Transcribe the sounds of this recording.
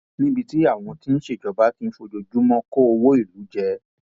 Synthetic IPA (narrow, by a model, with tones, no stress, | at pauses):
nĩ˦bi˧ti˦a˦˨w̃ɔ̃˧ti˦n̩˦ʃe˦˨d͡ʒɔ˨ba˨˦ti˦˧n̩˦fo˧d͡ʒo˧d͡ʒu˦mɔ̃˦ko˦o˧wo˦i˦˨lu˨˦d͡ʒɛ˧